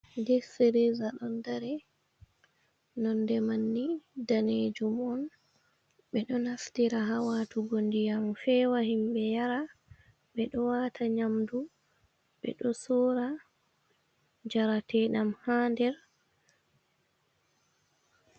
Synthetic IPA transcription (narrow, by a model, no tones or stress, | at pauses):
dɛfeɾezaɗɔndaɾɛ | nɔndɛmanːidaneːd͡ʒumɔn | ɓɛɗɔnaftiɾaɦawatuɡondijamfɛwahimɓɛjaɾa | ɓɛɗɔwatʰaɲamdu | ɓɛ̰ɗɔsɔːɾa | d͡ʒaɾatɛɗamhaːndɛɾ